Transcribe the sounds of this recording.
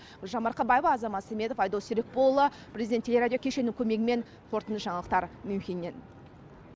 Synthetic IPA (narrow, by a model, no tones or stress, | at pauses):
ʒɑmɑɾqɑbɑjəbɑːzɑmɑt̪semʲe̞d̪ofɑjd̪olsʏɾek̚bo̞lˠə | pʰrezʲid̪ʲent̪ʰːelʲeɾad̪ʲjokʰʲeʃe̞nɪŋkʲʰɵme̞ɡʲɪme̞n | qʰo̞ɾt̪ənd̪əsʒɑɴɑlˠəqt̪ɑɾmʏmkʲinːen